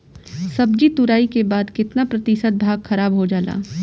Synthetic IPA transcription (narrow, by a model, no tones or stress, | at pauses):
sɐb̚d͡ʒit̪ʊɾaːikebaːd̪kɪt̪napɾɐt̪ɪʃət̪̚bʱaːɡxɐɾaːbɦod͡ʒaːla̰ː